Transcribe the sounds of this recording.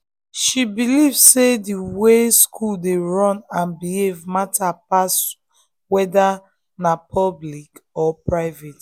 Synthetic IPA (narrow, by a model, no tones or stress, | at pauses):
ʃibilivsediweskʰuldeɹɔ̃nãnbihevmatʰapas | wɛda | napʰɔblikɔpɹaɪvet